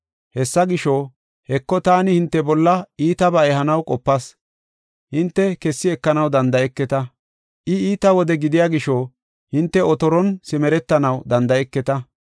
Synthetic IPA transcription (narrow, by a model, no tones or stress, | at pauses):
hɛsːɐɡɪʃɔ | hɛkːɔt̪aːnɪhɪnt̪ːɛbɔlːɐiːt̪ɐbɐɛhɐnɐwkʼɔpːɐs | hɪnt̪ːɛkɛsːɪɛkːɐnɐwd̪ɐnd̪ɐɛkːɛt̪ɐ | ʔɪiːt̪ɐwɔd̪ɛɡɪd̪ɪjaːɡɪʃo | hɪnt̪ːɛɔt̪ɔɾɔnsɪmɛɾɛt̪ːɐnɐwd̪ɐnd̪ɐɛkːɛt̪ɐ